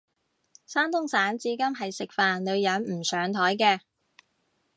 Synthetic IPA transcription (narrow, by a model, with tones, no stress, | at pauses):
saː˥nt̪ʊ˥ŋsaː˨˥nt͡siː˨˥kɐ˥mɦɐ˨jsɪ˨k̚faː˨nlɵ˨˧ɥjɐ˨˥nm̩˨˩sœː˨˧ŋt̪ʰɔː˨˥jkɛː˧